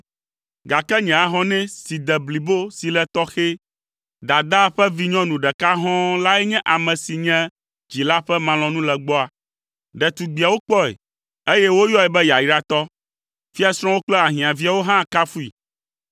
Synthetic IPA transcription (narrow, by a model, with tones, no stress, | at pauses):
ɡa˨kɛ˦ɲɛ̃˨a˨ɦɔ̃˦nɛ̃˦si˨d̪ɛ˨bli˨bo˦si˨lɛ˨t̪ɔ˦xe˦ | d̪a˨d̪a˦ɸɛ˦vi˦ɲɔ̃˦nũ˨ɖɛ˨ka˦ɦɔ̃˦la˦ɛ˦ɲɛ̃˦ʔa˨mɛ̃˨si˨ɲɛ̃˦ | d͡ʑi˨la˦ɸɛ˦mã˨lɔ̃˨nũ˦lɛ˨ɡ͡bɔ˦a˨ | ɖɛ˨t̪u˨ɡ͡bi˨a˨wo˦k͡pɔ˦ɛ̰˨ | e˦jɛ˦wo˦jɔ˦ɛ˨bɛ˦ja˨ji˦ɖa˦t̪ɔ˦ | fi˦a˦sɾ̃wo˦k͡plɛ˦a˨ɦĩ˨ã˨vi˦a˨wo˦ɦã˦˨ka˦fu˦ḭ˨